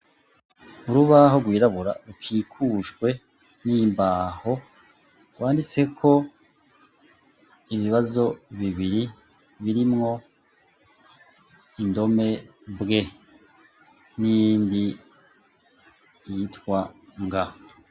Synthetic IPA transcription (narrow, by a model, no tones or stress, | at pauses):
uɾuβaɦoɡwiːɾaβuɾa̰ɾukʰiːkʰuʒɡwe̞ | niːmbaːho̞ | ɡ̥waːndit͡se̞kʰo̞ | iβiβazo̞βiβiɾi | βiɾimŋo̞ | indo̞me̞ | bɡe̞ | nijndi | jitkwaŋɡa